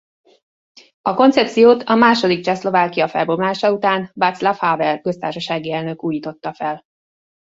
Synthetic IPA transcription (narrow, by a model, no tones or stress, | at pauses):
ɒko̞nt̪sɛp̚t̪sijoːt̪ʰɒmaːʃo̞d̪ik̚t͡ʃɛslo̞vaːkijɒfɛ̰lbo̞mlaːʃɒut̪aːnbat̪slafhaːvɛrkø̞st̪aːrʃɒʃaːɡiɛlnø̞kuːjiːt̪o̞t̪ːɒfɛl